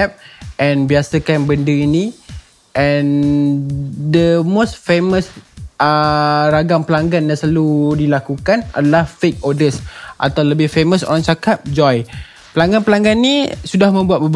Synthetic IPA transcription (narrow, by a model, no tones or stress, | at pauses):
ɛp̚ʔɛ̃nbiasəkanbəndəini | ʔɛ̃n | dəmostfeməsəɾaɡaŋpəlaŋɡanjãŋslaludilakukana̰dalahfek̚ɔdəsʔa̰t̪awləbɪhfeməso̰ɾaŋt͡ʃakap̚d͡ʒɔj | pəlaŋɡanpəlaŋɡanːisudahmə̃mbuat̪̚bəb